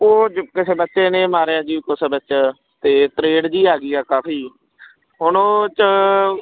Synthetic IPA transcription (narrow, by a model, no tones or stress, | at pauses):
oːkɪseːbətːʃeːnẽːmaːɾejãːd͡ʒiːkʊsəbətːt͡ʃː | t̪eːt̪ɾeːɖd͡ʒiːaːɡiːaːkaːpʰiː | ɦʊnõːt͡ʃə